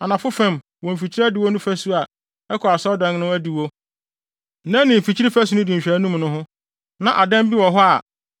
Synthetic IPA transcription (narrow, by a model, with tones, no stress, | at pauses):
a˨nã˨fʊ˦fɛ̃˦˨m | wɔ̃˨m̩˨fi˨t͡ɕʰi˦ɾdi˨wo˦nũ˦fæ˦su˦a˨ | ɛ˦kʰɔ˨a˨sɔ˦dã˨n˦nʊ̃˦æ˦di˨wo˦˨ | nɛ̃˦nɪ̃˨m̩˨fi˨t͡ɕʰi˦ɾi˦fæ˦su˨˦nʊ̃˦dĩ˨ɲ̩˨ɕᶣæ˨˦nũ˦mnʊ̃˦ɦʊ̃˦ | nã˨ʔa˨dɛ̃˦m˦bi˦wɔ̃˨ɦɔ˦a˨